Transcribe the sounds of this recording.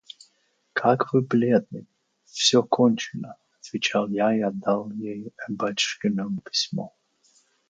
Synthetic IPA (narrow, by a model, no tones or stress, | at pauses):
kʰakvɨblʲed̪̚nɨ | fsʲokʰonʲt͡ɕɪnəɐt̪vʲɪt͡ɕalˠjaɪad̪ːalˠjejɛbat͡ʃʂkʲɪnəmpʲɪ̥sʲmo